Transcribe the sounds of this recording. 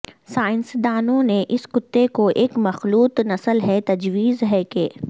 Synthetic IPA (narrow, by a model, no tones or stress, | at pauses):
saːɪnsd̪aːnõneʔɪskʊt̪ːekoʔeːkmɐxluːt̪nɐsəlɦɛt̪ɐd͡ʒwiːzɦɛkeː